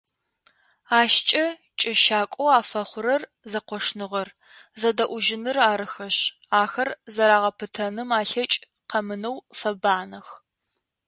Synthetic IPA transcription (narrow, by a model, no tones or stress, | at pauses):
aːʃt͡ʃʼɐ | t͡ʃʼɐʃaːkʷʼɔwaːfɐχʷʊɾɐr | zɐqʷɔʂnɨʁɐr | zɐdɐʔʷʊʒɪnɨraːɾɨxɐɕ | aːxɐrzɐɾaːʁɐpʰɨtʰɐnɨmaːɬɐt͡ʃʼ | qɐmɨnɐwfɐbaːnɐx